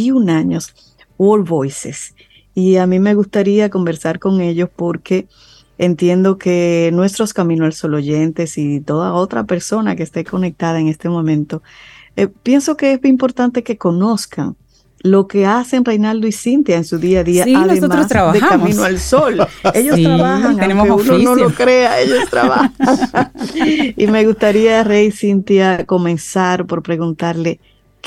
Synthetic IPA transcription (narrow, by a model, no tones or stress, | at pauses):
iunaɲo̞s | wolβo̞jsḛs | iamĩme̞ɣust̪aɾiako̞mbe̞ɾsaɾko̞ŋe̞ʎo̞spo̞ɾke̞ː | nt̪je̞nd̪o̞ke̞nwe̞st̪ɾo̞skamĩnoalso̞lo̞ʝe̞nt̪e̞sit̪o̞ðao̞t̪ɾa̰pe̞ɾso̞nakest̪e̞ko̞nek̚t̪aðaeŋe̞st̪e̞mõ̞mẽ̞nt̪o̞epje̞nso̞ke̞esβimpo̞ɾt̪ant̪e̞ke̞ko̞no̞skʰa̰ŋ | lo̞ke̞ase̞ŋrejnald̪oisint̪jaeŋsuðiaðiaaðseomaɾost̪ɾaβðeammĩnoalso̞le̞ʝo̞st̪ɾaβahaŋaemkeunoonolokɾe̞aeʎo̞st̪ɾa̰βahaŋ | ime̞ɣust̪aɾiarejsint̪jako̞mẽ̞nsaɾpo̞ɾpɾe̞ɣunt̪aɾle̞ | k